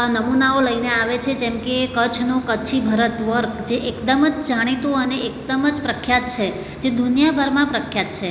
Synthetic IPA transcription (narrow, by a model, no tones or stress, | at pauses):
nəmunaoləineaʋet͡ʃʰed͡ʒẽmkekət͡ʃʰnokət͡ʃʰibʱəɾət̪ʋəɾkd͡ʒeʔekd̪əməd͡ʒd͡ʒaɽ̃it̪ũəneek̚d̪əməd͡ʒpɾəkʰːjat̪̚t͡ʃʰe | d͡ʒed̪unjabʱəɾmãpɾəkʰjat̪̚t͡ʃʰe